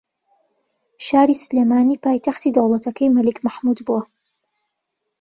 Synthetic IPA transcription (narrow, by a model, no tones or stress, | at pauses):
ʃaːɾisleːmaːniːpaːjt̪ɐxt̪id̪ɐwlˠɐt̪ʰɐkʰɐjmɐlikmaħmud̪buwɐ